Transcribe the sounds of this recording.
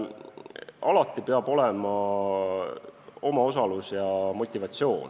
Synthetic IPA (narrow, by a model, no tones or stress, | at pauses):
ɑlɑt̪ːˑipeɑb̥o̞lemɑ | o̞mɑo̞s̬ɑlusjɑmo̞t̪ʲːivɑt̪sio̞ːn